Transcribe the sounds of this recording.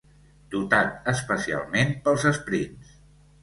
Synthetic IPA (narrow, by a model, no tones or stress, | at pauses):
d̪̥ut̪at̪̚əspəsia̰lˠmenpəlˠzəspɾins